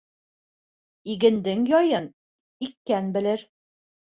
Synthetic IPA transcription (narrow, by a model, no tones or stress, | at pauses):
iɡɘ̆nd̪ɘŋjɒjɤn | ikːænbɘ̆lɘɾ